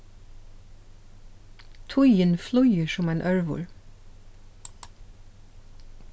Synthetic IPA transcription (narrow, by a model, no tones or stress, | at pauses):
t̪ʰʊjənflɔʏɪəʃɔmæːnʔœɹʋʊ̰ɹ